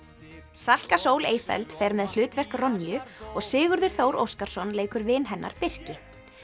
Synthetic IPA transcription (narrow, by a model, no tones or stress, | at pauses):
sal̥kasoːwleːjfɛ̰lt̪fɛːɾmɛðl̥ʏːt̪vɛr̥krɔnːijʏɔɣsɪːɣʏɾðʏɾ̥θowɾo̰wskaɾ̥sɔnleːjkʏɾvɪnɦɛnːa̰ɾ̥pɪr̥cɪ